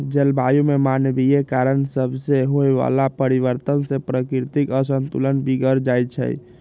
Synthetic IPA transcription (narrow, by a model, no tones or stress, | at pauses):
d͡ʒəlbajumemanbijekaɾənsəbʱseɦoeʋa̰lapəɾiʋəɾt̪ənsẽpɾəkɾt̪ikəsənt̪ulənbiɡəɾd͡ʒajt͡ʃʰə̰j